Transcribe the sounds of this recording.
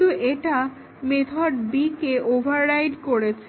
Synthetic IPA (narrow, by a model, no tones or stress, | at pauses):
uʔeʈa | met̪ʰɔɖ̚bikeʔobʱaɾːajɖkoɾet͡ɕʰe